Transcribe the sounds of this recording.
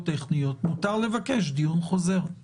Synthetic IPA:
t̪eχnijot̪mut̪aʁle̞vake̞ʃ̬d̪ijunχo̞ze̞ʁ

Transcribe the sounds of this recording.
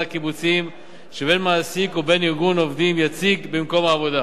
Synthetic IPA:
akibut͡sim | ʃebe̞nmaːsikube̞niʁɡuno̞vd̪imjat͡siɡbimko̞maːvo̞d̪a

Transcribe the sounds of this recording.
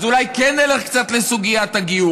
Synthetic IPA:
zulajkenːeleχkt͡sat̪lesuɡijat̪aɡiju

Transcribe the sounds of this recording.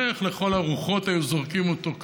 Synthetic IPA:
eχle̞χo̞laʁuχo̞tajuzoʁkimoto̞k

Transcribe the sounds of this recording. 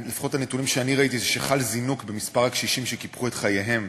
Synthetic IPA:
lifḁχotanetunimʃeaniʁait̬izeʃeχalzinukbe̞mispaʁakʃiʃimʃekipχuetχajeɦe̞m

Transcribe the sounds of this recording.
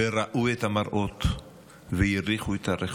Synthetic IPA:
eɾaʔuet̪amaɾʔot̪ | vejiɾiχuet̪aɾeχ

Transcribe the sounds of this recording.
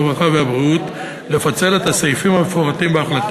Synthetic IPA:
ʁaχaveabʁiut̪ | le̞fat͡se̞le̞t̪asajfimhamefoʁatimbeaχlat

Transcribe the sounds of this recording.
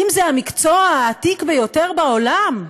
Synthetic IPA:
imzeamikt͡soaaːt̪ikvejo̞te̞ʁbao̞lam

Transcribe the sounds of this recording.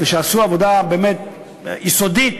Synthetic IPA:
veʃeasuavo̞d̪abeːmet̪̚ | jiso̞d̪it̪

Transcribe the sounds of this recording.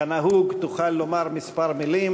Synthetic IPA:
anaɦuɡt̪uχalːomaʁmispaʁmilim

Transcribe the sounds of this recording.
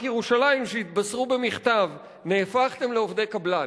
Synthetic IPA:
jeʁuʃalaimʃeit̪basʁube̞miχt̪av | ne̞ːfaχt̪e̞mle̞o̞vd̪e̞jkabla

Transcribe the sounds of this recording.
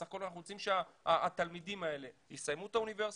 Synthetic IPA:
aχko̞lanaχnuot͡simʃeaaat̪almidimae̞le̞hisajmut̪aunive̞ʁs

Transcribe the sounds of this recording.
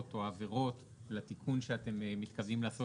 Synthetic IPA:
toave̞ʁo̞t | lat̪ikʰunʃeate̞mmit̪kavimlaːso̞

